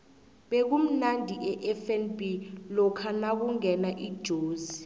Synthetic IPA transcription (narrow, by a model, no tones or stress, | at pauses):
ɓek̬um̩nandʱiʔɛʔɛfɛnbʱilɔkʰanak̬uŋɛnaʔid̥ʒ̥ʱoːzii